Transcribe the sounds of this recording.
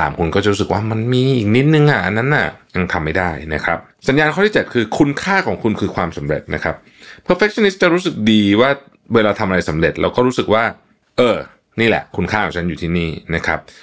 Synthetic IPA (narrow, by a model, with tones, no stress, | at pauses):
sa̰ː˩˦mkʰu˧nkɔː˥˩t͡ɕa˨˩ɾuː˦˥sɯ˨˩k̚waː˥˩ma˧nmiː˧ʔiː˨˩k̚ni˦˥t̪̚nɯ˧ŋʔa˨˩ʔa˧nːa˦˥nʔa˨˩ja˧ŋt̪ʰa˧mːa˥˩jdaː˥˩jna˦˥kʰɾa˦˥p̚sa˨˩˦njaː˧nkʰɔː˥˩t̪i˥˩t͡ɕe˨˩t̪̚kʰɯː˧kʰu˧nkʰaː˥˩kʰɔː˩˦ŋkʰu˧nkʰɯː˧kʰwaː˧msa˩˦mɾḛ˨˩t̪̚na̰˦˥kʰɾa˦˥p̚ | pʰɤː˧fe˦˥k̚t͡ɕʰɔ˧ni˦˥st̪̚t͡ɕa˨˩ɾuː˦˥s̬ɯ˨˩k̚diː˧waː˥˩ | weː˧laː˧t̪ʰa˧mʔa˧ɾa˧jsa˩˦mɾe˨˩t̪̚lɛ̰ː˦˥wkɔː˥˩ɾuː˦˥sɯ˨˩k̚waː˥˩ | ʔɤː˧ | niː˥˩lɛ̰˨˩ʔkʰu˧nkʰaː˥˩ɔː˩˦ŋt͡ɕʰa˦˥njuː˨˩t̪ʰiː˥˩niː˥˩na˦˥kʰɾa˦˥p̚